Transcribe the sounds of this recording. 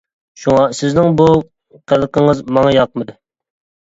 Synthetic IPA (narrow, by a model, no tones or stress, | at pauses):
ʃuŋɑsɪznɪŋbu | qʰælˠqəŋəzmɑŋɑjɑqmɨd̪ɪ